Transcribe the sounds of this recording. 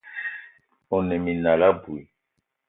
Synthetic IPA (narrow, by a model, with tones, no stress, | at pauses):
o˨nɛ˨mi˨na˨la˦bu˨i˨